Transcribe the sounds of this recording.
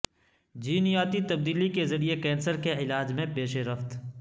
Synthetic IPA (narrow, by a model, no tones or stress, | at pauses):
d͡ʒiːnɪjaːt̪it̪ɐb̚d̪iːlikezɐɾiekɛːnsəɾkeɪlaːd͡ʒmẽpeːʃeɾɐft̪